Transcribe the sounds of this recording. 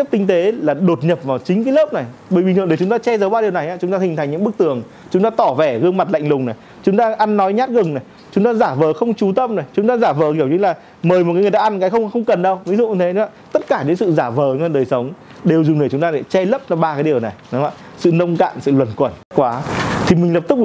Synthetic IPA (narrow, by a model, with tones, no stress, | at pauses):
p̚t̪ï˧ŋ̟t̪e˨˦laː˨˩ɗo˨˩t̚ɲə˨˩p̚vaː˨˩wt͡ɕï˨˦ŋkaː˨˦ləː˦˥p̚na˨˩jɓəː˧˩jɓi˨ŋt̪ɨ˨ɗe˧˩t͡ɕʊ˨˦ŋ͡mt̪aː˧t͡ɕɛ˧zəː˨˦wɓaː˧ɗi˨˩na˨˩jʔaː˨˦t͡ɕʊ˨˦ŋ͡mt̪aː˧˩i̟˨˩t̪ʰa˨˩jŋɲɨ̰˧˥˦ək̚t̪ɨ˧˩əŋ | t͡ɕʊ˨˦ŋ͡mt̪aː˧t̪ɔ˧˩vɛ˧˩ɣɨ˧əŋma˨˩t̚la̰˧˨jŋlʊ˨˩ŋ͡mna˨˩j | t͡ɕʊ˨˦ŋ͡mt̪aː˧ʔa˧nːɔ˨˦jɲaː˦˥t̚ɣɨ˨˩ŋna˨˩j | t͡ɕʊ˨˦ŋ͡mt̪aː˧zaː˧˩vəː˨˦xə˧wŋ͡mt͡ɕu˨˦t̪ə˧mna˨˩jt͡ɕʊ˨˦ŋ͡mt̪aː˧zaː˧˩vəː˨˩˦ɣi˧˩əwt͡ɕɨ˨˧˦ŋlaː˨˩ | məː˨˩jmo˨˩t̚aː˨˦ŋ˨˩aː˧nkaː˨˦jxə˧wŋ͡mxə˧wŋ͡mkə˨˩nɗə˧wvi˨˦zṵ˧˨˧t̪ʰe˨˦ɗaː˧t̪ə˦˥t̚kaː˧˩ɗe˨˦nsɨ̰˧˨zaː˧˩vəː˨˩˨ə˧nɗəː˨˩jsə˨˦wŋ͡m | ɗe˨˩əwzʊ˨˩ŋ͡mn˨˩t͡ɕʊ˨˦ŋ͡mt̪aː˧a˨˩t͡ɕɛ˧lə˦˥p̚nɔ˧ɓaː˧kaː˨˦jɗi˨˩əwna˨˩jɗa̰ː˧˨ | sɨ̰˧˨nə˧wŋ͡mka̰ː˧˨nsɨ̰˧˨lwə˨˩nkwə˧˩n̚˦˥kwaː˨˦t̪ʰi˨˩mi˨˩ŋ̟lə˨˩p̪̚k̚